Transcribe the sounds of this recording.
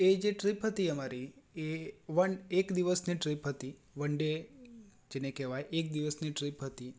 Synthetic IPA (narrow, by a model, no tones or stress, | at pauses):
ed͡ʒeʈɾipɦət̪iəmaɾieʋəɳekd̪iʋəsniʈɾipɦət̪i | ʋəɳɖe | d͡ʒenekɛʋajʔek̚d̪iʋəsniʈɾipɦət̪i